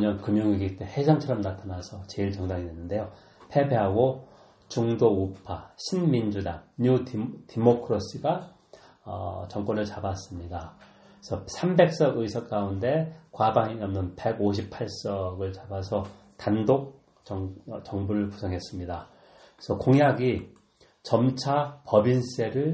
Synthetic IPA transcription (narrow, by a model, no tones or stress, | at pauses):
ɲʌnkɯmjoŋiɡit͈ehe̞sʰʌŋt͡ɕʰʌɾʌmnatʰanasʰʌt͡ɕe̞iɭt͡ɕʌŋdaŋidwe̞nːɯnde̞jo | pʰe̞beɦaɡo | t͡ɕuŋdoupʰaɕʰinmind͡ʑudaŋɲutʰimokʰɯɾos͈ɯɡa | ʌ̰t͡ɕʌŋk͈wʌnɯɭt͡ɕabas͈ɯmɲida | sʰʌsʰambe̞k̚s͈ʌɡɯisʰʌk̚k͈aunde̞kwabaŋiŋʌmnɯnpe̞ɡoɕʰipʰaɭs͈ʌɡɯɭt͡ɕabasʰʌ | tandok̚ | t͡ɕʌŋt͡ɕʌŋbuɾɯɭpu̥sʰʌŋɦe̞s͈ɯmɲida | sʰʌkoŋjaɡi | t͡ɕʌmt͡ɕʰapʌbins͈e̞ɾɯɭ